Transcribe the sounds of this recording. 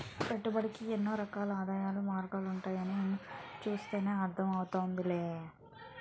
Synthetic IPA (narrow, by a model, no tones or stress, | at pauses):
pɛʈːubɐɽikienːoːɾɐkaːlɐaːd̪aːjaːlumaːɾɡaːluɳʈaːjɐniemːut͡ʃuːst̪eːne̞ːɐɾt̪ʰɐmɐwut̪aːnd̪ileː